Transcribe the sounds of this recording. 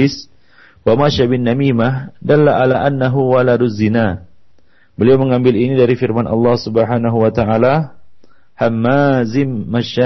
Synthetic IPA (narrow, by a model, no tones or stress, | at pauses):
ɪs | wamaʃabɪnːamimahdalːaʔalaʔanːaɦuwaladuzina | bəliawməŋambɪlinidaɾifirmanʔɑ̰lːɑhsubəɦaːnaɦuwat̪aala | hamːazɪmːaʃa